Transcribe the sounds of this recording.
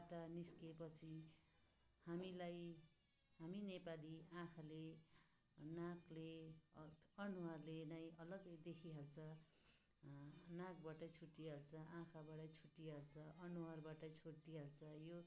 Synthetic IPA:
baʈʌniskepʌt͡sʰi | hamilaj | ɦaminepaliãkʰale | nãkle | ʌnuwarlenajʌlʌɡd̪ekʰiɦalt͡sʰʌ | nãkbaʈʌt͡sʰuʈːiɦalt͡sʰʌʔãkʰabaɽʌt͡sʰuʈːiɦalt͡sʰʌʔʌnuarbaʈʌt͡sʰuʈːiɦalt͡sʰʌjo

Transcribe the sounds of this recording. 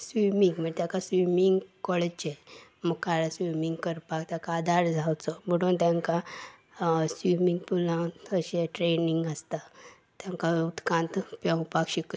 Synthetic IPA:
sʋimiŋɡmət̪jakasʋimiŋɡkɔɭet͡ɕeməɡkaɾasʋimiŋɡkəɾpakt̪jakaːd̪aɾd͡zʱawt͡sɔbəɽunt̪jãŋka | sʋimiŋɡpulãəɕeʈɾeniŋɡəst̪a | t̪jãŋkaut̪kãnt̪pãpakɕik

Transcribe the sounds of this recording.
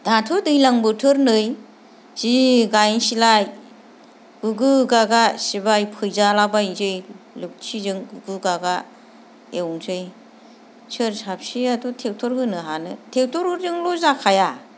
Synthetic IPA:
d̥atʰɔdɯjlaŋbɯtʰɯɾnɯj | z̥iɡajnsilaj | ɡ̥ɯɡɯɡaɡasibajpʰɯjzalabajzɯjlɯk̚t͡ʃʰizɯŋɡɯɡɯɡaɡa | ewŋzɯj | sɯɾsap̚siadɔtʰewtʰɔɾhɯnɯɦanɯtʰewtʰɔɾhɯɾzɯŋlɔzakʰaja

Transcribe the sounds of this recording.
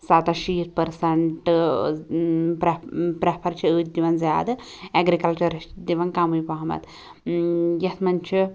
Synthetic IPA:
sat̪ɐʃiːt̪ʰpɐɾsɐɳʈɨ | pɐpɾɐpʰɐɾt͡ʃʰiɨːd̪iʋɐnzjaːd̪ɨ | eɡɾikɐlt͡ʃɐɾɐʃd̪iʋɐnkaːmujpɐɦɐmɐ̰t̪ | jɐt̪ʰmɐnt͡ʃʰi

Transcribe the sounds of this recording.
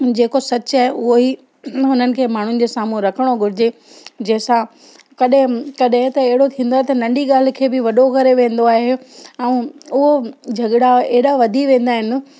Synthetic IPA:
d͡ʑeːkosɐt͡ɕaːɦeʊɦoi | ɦʊnənɪ̆kʰeːmaːɳ̤ʊnɪ̆d͡ʑeːsaːmuɾɐkʰəɽ̃oɡʱʊɾɪd͡ʑe | d͡ʑɐ̃ɦsã | kɐɗɪ̃kɐɗɦɪ̃t̪ɐːɦɪɽot̪ʰĩːn̆d̪oaːɦet̪ɐnɐ̃ɳɖiɡaːl̤ɪ̆kʰeːbɪʋɐɗokɐɾeʋẽːn̆d̪oaːɦɦeɛ̃ːʊɦod͡ʑʱɐɠɽaeɦɪɽaʋɐd̪ʱiʋẽːn̆d̪aːɦɪnɪ̆

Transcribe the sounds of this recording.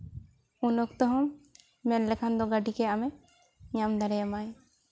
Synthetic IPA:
unɔkt̪ɔɦɔmː | ɛnlɛkʰand̪ɔɡaɖikɛamɛ | ɲamd̪aɾɛjamaj

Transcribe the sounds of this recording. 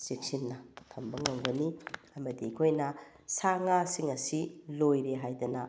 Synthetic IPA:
sik̚sinːɐtʰɐmbɐŋoŋbɐniɐmɐdiːkʰojnɐ | saŋasiŋɐsilojɾeɦajdɐnɐ

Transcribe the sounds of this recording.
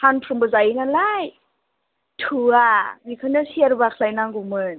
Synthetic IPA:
hanpʰɾɯmbɯzajinalaj | tʰuanikʰɯnɯsiaɾbakʰlajnaŋɡumɯn

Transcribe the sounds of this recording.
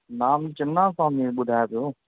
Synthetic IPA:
naːmt͡ʃɐnːãːsãːmĩɓʊd̪ʱaːjpijoː

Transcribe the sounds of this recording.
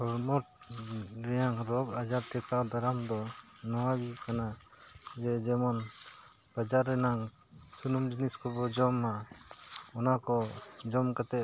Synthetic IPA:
ɔɾmɔʈ̚ | ɾɛjaŋɾɔɡad͡ʒaɾt̪ɛkawd̪aɾamd̪ɔnɔwaɡikana | d͡ʒɛd͡ʒɛmɔn | pad͡ʒaɾːɛnaŋ | sunumd͡ʒiniskɔbɔd͡ʒɔmːa | ɔnakɔd͡ʒɔmkat̪ɛ

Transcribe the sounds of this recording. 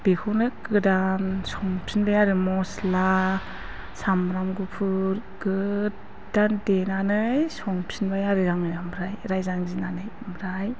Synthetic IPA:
b̥ekʰɔnɯkɯdansɔŋpʰinbajaɾɯmɔsla | samɾamɡupʰɯɾkɯ | d̥andenanɯjsɔŋpʰinbajaɾɯɾaŋɯjamɾajɾajzaŋzinanɯj | mɾaj

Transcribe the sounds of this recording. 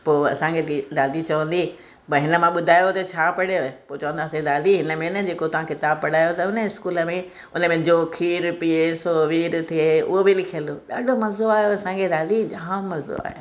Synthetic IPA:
poːɐ̰sãŋkʰet̪ilaːlit͡ɕɐʋə̃n̆d̪i | pɐɦɪnə̆mãɓʊd̪ʱaːjot̪ɐt͡ɕʰaːpɐɽjopoːt͡ɕɐʋə̃nd̪aːsed̪aːliɦɪnəmẽnəd͡ʑeːkot̪ɐʋ̤ãkʰɪt̪aːbpɐɽ̤aːjot̪ɐʊnəɪskuːləmẽ | ʊnə̆mẽd͡ʑoːkʰiːɾpiesoːʋiːɾt̪ʰieʊ̰ɦobɪlɪkʰəloːɗaːɖʱomɐzoaːɦjoɐsãɡʰelaːlid͡ʑaɦmmɐzo̰a̰ːɦḛː

